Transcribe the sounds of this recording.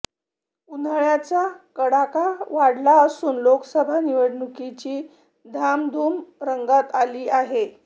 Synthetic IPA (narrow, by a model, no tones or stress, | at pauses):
unəɭjat͡sakəɽakaʋaɽlaəsuːnloksəbʱaniʋəɽɳukit͡ɕiː | d̪ʱamd̪ʱuːmɾəŋɡat̪aliːaɦe